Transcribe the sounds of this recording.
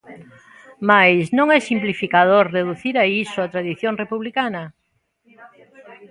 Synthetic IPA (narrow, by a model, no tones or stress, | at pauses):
majsnõŋɛsimplifikaðoɾreðuθiɾaisoat̪ɾaðiθjoŋrepuβlikanɐ